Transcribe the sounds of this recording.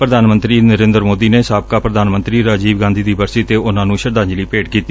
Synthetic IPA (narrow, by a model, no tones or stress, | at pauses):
pɾəd̪aːnmə̃nt̪ɾiːnəɾẽːnd̪əɾmoːd̪iːneːsaːb̚kaːpɾəd̪aːnmə̃nt̪ɾiːɾaːd͡ʒiːbɡãːnd̪iːd̪iːbəɾsiːt̪eːʔʊnãːnũːʃəɾd̪ãːɲd͡ʒliːpeːʈkiːt̪i